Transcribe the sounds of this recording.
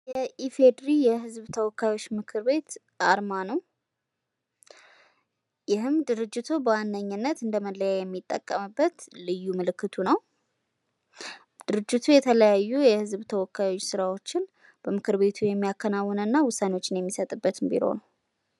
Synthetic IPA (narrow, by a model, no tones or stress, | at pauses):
jɛʔifed̪ɾijɛɦɨzβt̪ʰəwɔkːajwo̞t͡ʃːmɨkʰɨɾbe̞t̪ | ʔaɾmanəw | jɪɦɨmd̪ɨɾɨd͡ʒːɪt̪ʰubəwanːəɲːɨnːət̪ɨnd̪əməlːəjajɛmːit̪ʼːə̰kʼːəmɨbːət̪lɨjːumɨlɨkːɨt̪ʰunəw | d̪̥ɨɾɨd͡ʒːɪt̪ʰujɛt̪ʰələjajːujɛhɨzbt̪ʰəwɔkːajwo̞t͡ʃːsɨɾawot͡ʃːɪn | b̥əmɨkʰɨɾβe̞t̪ʰujɛmːijakʰːənawːɔnɨnːawʊsːanewot͡ʃːɪnjɛmːisət̪ʼɨbːət̪ɨmbḭlo̰nəw